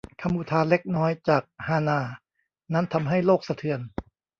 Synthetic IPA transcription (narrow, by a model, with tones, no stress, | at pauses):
kʰa˧mpuː˧˩t̪ʰaː˧le˦˥k̚nɔː˦˥jt͡ɕaː˨˩k̚haː˧naː˧˩ | na˦˥nt̪ʰa˧mɦa˥˩jloː˥˩k̚sa˧t̪ʰɯ˧ən